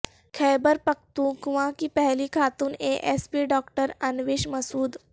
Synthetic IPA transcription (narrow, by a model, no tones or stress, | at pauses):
kʰɛjbəɾpək̚t̪ũɡuʋãkipəɦlikʰat̪uːneʔespiːɖɔkʈəɾənʋeɕməsuːd̪